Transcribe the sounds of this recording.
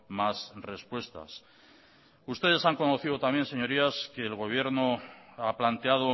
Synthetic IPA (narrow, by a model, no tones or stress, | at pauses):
masre̞spwe̞st̪a̰s | ust̪e̞ð̞e̞saŋko̞no̞θiðo̞t̪ambjense̞ɲo̞ɾiaske̞ːlɣo̞β̞je̞ɾnoaplant̪e̞að̞o